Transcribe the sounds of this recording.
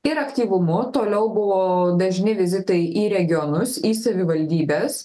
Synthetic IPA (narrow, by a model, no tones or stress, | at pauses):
ɪɾɐkʲt̪ʲiːʋʊmʊt̪oːlʲɛʊbʊʋoːd̪ɐʒʲnʲɪʋʲɪzʲɪt̪ɐɪʔiːɾʲɛɡʲɪonʊsiːsɐʋʲɪʋɐlʲd̪ʲiːbʲeːs